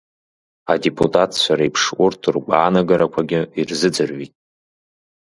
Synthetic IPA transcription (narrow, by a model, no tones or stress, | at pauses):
adepʰʼutʼatʰt͡ɕʷʰaɾaipʰʂʔʷʊrtʰurɡʷʼaːnaɡaɾakʷʰaɡʲɪirzɨd͡zɨrɥitʼ